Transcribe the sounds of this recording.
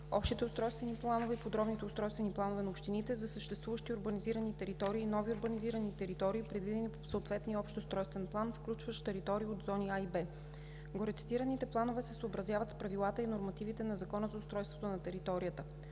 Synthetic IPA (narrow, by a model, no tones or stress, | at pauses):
ɔpʃt̪it̪ɛʊst̪ɾɔjst̪vɛniplˠanovɛipod̪ɾɔbnit̪ɛʊst̪ɾɔjst̪vɛniplˠanovɛnɐopʃt̪init̪ɛzɐsəʃt̪ɛst̪vuvəʃt̪iʊɾbəniziɾənit̪ɛɾit̪ɔɾiːnɔviʊɾbəniziɾənit̪ɛɾit̪ɔɾiːpɾɛd̪vid̪ɛnipsot̪vɛt̪niəɔpʃt̪ost̪ɾɔjst̪vɛnplˠanfklʲut͡ʃvəʃt̪ɛɾit̪ɔɾiːod̪zɔniaibɛ | ɡoɾɛt̪si̥t̪iɾɐnit̪ɛplˠanovɛsɛsoobɾɐzʲjavɐt̪spɾɐvilˠat̪əinoɾmɐt̪ivit̪ɛnɐzɐkɔnəzɐʊst̪ɾɔjst̪vot̪onɐt̪ɛɾit̪ɔɾijət̪ə